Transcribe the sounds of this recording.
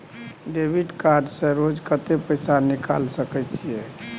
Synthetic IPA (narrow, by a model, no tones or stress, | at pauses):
ɖebʱiɖkaɾɖsẽɾod͡ʒkət̪epəjsanika̰lsəkɛt͡ʃʰije